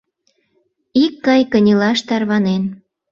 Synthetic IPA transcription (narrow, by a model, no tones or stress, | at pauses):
ikːɑjkənʲilɑʃt̪ɑrβɑnen